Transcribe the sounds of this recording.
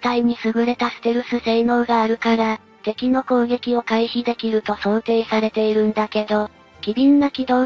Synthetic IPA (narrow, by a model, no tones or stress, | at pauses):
t̪aiɲ̟isɨɡɯ̟ɾe̞t̪asɨ̥t̪eɾɯ̟sɨse̞ːno̞ːɡaːɾɯ̟kaɾa | t̪e̞kʲino̞ko̞ːɡe̞kʲio̞kaiçid̪e̞kʲiɾɯ̟t̪o̞so̞ːt̪e̞ːsaɾe̞t̪e̞iɾɯ̟̃nd̪ake̞d̪o̞ | kʲibʲĩnːakʲid̪o̞ː